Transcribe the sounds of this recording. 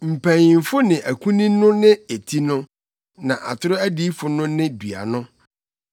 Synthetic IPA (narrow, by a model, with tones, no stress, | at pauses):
m̩˨pʰæ̃˨ɲɪ̃˨m˨fʊ˦nɪ̃˨ʔæ˨kʰũ˦nĩ˦nʊ̃˦nɪ̃˦e˨tʰi˦nʊ̃˦ | nã̰˨ʔa˨tʰʊ˦ɾʊ˦æ˦di˦fʊ˨nʊ̃˦nɪ̃˦bɥa̰˨nʊ̃˦